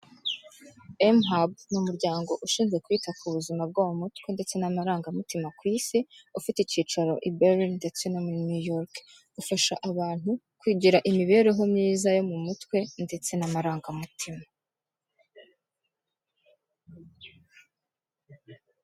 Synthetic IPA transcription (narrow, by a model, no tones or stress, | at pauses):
emɦab̚numuɾɟaːŋɡo̞ʔuʃiːnzɡe̞kwiːtakuβuzimab̚ɡawomutkwe̞nde̞t͡se̞namaɾaːŋɡamutimakwiːsiufiteiciːt͡ʃaɾo̞ʔibeɾinde̞t͡se̞nomuɾinujoɾk | ɡ̥ufaʃaʔaβaːn̥hu | kwiːɟiɾaʔimiβe̞ːɾe̞ɦo̞mɲiːzajo̞mumutkwe̞nde̞t͡se̞namaɾaːŋɡamutʰima